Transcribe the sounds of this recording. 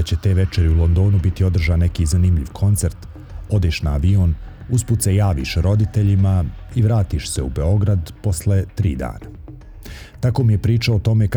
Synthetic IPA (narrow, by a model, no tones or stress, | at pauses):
t͡ɕet̪e̞ːʋe̞t͡ʃe̞ɾiulˠo̞nd̪o̞ːnubit̪io̞d̪r̩ʒane̞kizanimʎḭʋkʰo̞nt̪se̞ɾt̪ | o̞d̪eːʃnaːʋioːn | usput̪sejaːʋḭʃɾo̞d̪it̪e̞ʎimaiʋɾaːt̪iʃse̞ube̞o̞ɡɾad̪po̞sle̞t̪ɾḭːd̪a̰ːna | t̪ako̞ːmije̞pɾiːt͡ʃaot̪o̞me̞k